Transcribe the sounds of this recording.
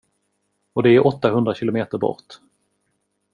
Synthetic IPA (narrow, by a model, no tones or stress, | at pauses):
ɔd̪ɛæɾʔɔt̪ːaɦɵnd̪ɾaɕɪlʊmeːt̪əɾbɔ̰ɾt̪